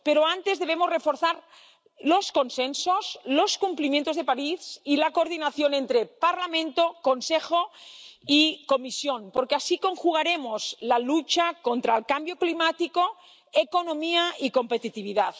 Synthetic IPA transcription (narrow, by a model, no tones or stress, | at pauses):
peɾoant̪e̞zðe̞β̞emozrefo̞ɾθaɾ | lo̞sko̞nsensosloskumplimjent̪oðepaɾisilakoɾðinaθjo̞nent̪ɾepaɾlamẽnt̪okonsexoikomisjonpoɾkeasiko̞ŋxuɣ̞aɾe̞mo̞zlalut͡ʃakont̪ɾaelkambjo̞klimat̪iko | ekonõmiaiko̞mpet̪it̪iβiðað